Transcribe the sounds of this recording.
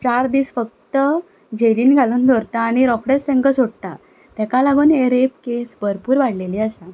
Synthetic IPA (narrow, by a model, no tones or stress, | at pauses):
t͡ɕaɾd̪iːsfək̚t̪ə | d͡ʑeliːnɡʱaluːnd̪ʱoɾt̪aːɽ̃iɾɔkɽest̪ɛ̃ŋkəsoɽt̪a̰ | t̪ɛ̃kalaɡuːneɾepkesbəɾpuːɾʋaɽ̤leliəsã